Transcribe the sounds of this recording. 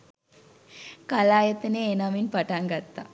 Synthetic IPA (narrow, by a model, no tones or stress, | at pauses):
kalaːjət̪əneːnaʋinpaʈaŋɡat̪ːa̰